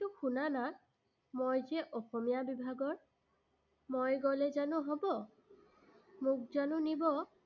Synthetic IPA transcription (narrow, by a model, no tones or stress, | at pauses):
tuxunana | mojzɛʔɔxɔmijabibʱaɡɔɹ | mojɡɔlɛzanʊ̃ɦɔbɔ | mʊk̚zanʊ̃nibɔ